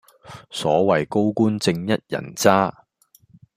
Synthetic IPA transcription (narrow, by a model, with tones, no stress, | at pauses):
sɔː˨˥wɐ˨˩jko˥wkuː˥nt͡sɪ˧ŋjɐ˥t̚jɐ̰˨˩nt͡saː˥